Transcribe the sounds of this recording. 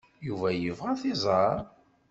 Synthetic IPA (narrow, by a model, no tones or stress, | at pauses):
juvæjəvʁæθizˤɑɾˤ